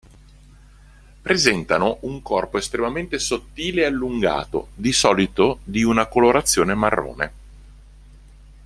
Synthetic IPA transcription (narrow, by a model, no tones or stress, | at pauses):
pɾezɛnt̪anouŋkɔrpoest̪ɾemament̪esot̪ːiːleːalːuŋɡa̰ːt̪o̰d̪isɔːlit̪od̪iunakoloɾat̪sːjoːnemarːo̰ːnḛ